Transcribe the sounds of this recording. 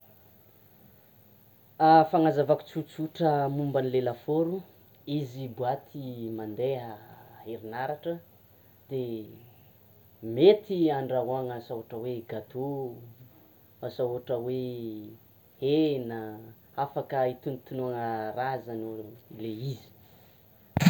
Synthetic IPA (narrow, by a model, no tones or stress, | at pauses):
afaŋazavaku̥t͡sut͡suʈ͡ʂəmumbanilelafoɾu | izibuat̪ʰimand̪eɦəeɾinaɾaʈ͡ʂə | d̪̥e | met̪iaɳɖ͡ʐaɦuaŋəsauaʈ͡ʂəweɡat̪ʰu | asaɦuʈ͡ʂəwe | henə | afakəit̪unit̪unuaŋəɾazanoileizi̥